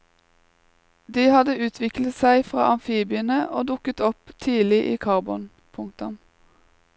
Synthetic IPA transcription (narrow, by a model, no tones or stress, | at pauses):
d̪iːhɑd̪əʉːt̪ʰʋɪklət̪sæɪfʁɑ̰ːʔɑmfiːbɪənəʔoːd̪ʊkət̪ɔpt̪ʰiːlɪʔiːkʰɑʁbɔn | pʰʊŋt̪ɔm